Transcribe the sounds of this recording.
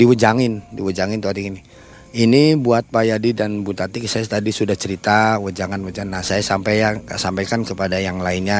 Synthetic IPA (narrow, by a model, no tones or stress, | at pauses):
diwəd͡ʒaŋɪndiwəd͡ʒaŋɪnt̪uat̪ikini | inibuat̪̚pajadidanbut̪at̪iksajast̪adisudaht͡ʃəɾit̪awəd͡ʒaŋanwəd͡ʒnːahsajasampajasampajkankəpadajaŋlainɲa